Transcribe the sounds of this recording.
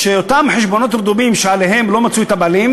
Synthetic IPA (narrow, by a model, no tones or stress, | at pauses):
ʃeot̪amħeʃbo̞no̞t̪ɾd̪umimʃealeɦe̞mlo̞mat͡suet̪abalim